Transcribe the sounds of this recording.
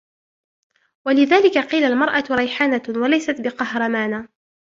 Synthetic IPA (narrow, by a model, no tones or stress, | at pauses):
walɪðaːlɪkaqiːlalmɑɾˤʔaɾˤɑjħaːnawalajsat̪bɪqɑhɾˤɑmaːnaː